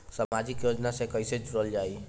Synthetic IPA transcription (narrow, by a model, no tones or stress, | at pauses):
samad͡ʒikjod͡ʒnasẽkəjsed͡ʒuɾəld͡ʒaj